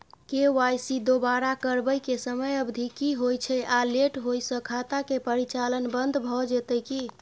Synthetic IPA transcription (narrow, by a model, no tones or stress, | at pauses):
kewajsid̪obaɾakəɾbəjkesəməjəbd̪ʱikiɦojt͡ʃʰɛʔaleʈɦojsə̃kʰat̪akepəɾit͡ʃalənbənd̪ʱbʱɔd͡ʒet̪əki